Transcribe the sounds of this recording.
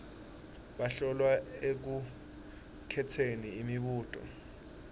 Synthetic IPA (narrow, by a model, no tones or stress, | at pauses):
ɓaɬɔlwaek̬u | kʰɛtʰeniːmiɓuːtʼɔ̰